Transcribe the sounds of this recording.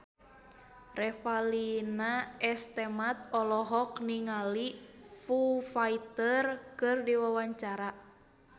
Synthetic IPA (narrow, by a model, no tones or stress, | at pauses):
rɛfalinaɛst̪ɛmat̪̚ɔlɔɦɔkniŋalifufait̪ərkɨrdiwawaɲt͡ʃaɾa